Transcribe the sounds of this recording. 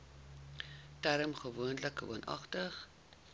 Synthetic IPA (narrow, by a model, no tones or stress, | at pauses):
tæɾəmχəvuənləkṵənʔɐ̰χtəχ